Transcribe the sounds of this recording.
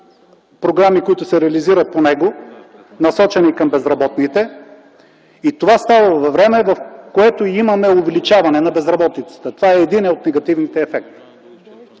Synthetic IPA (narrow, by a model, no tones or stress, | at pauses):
pɾoɡɾamikoit̪ʊsɛɾɛɐliziɾət̪̚ponɛɡo | nɐsɔt͡ʃɛniikɐmbɛzɾɐbɔt̪nit̪ɛ | it̪ovast̪avəvɐvɾɛmɛvɐfkoɛt̪oimɐmɛʊvɛlit͡ʃavɐnɛnɐbɛzɾɐbɔt̪it̪sə̥t̪ət̪ovaɛːd̪inɛot̪nɛɡɐt̪ivnit̪ɛːfɛk̚t̪i̥